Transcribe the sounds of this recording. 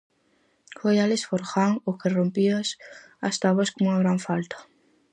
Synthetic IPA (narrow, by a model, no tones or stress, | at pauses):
kojalesfoɾxaŋokerompias | ast̪aβoskoŋuŋaɣɾaɱfalt̪ḁ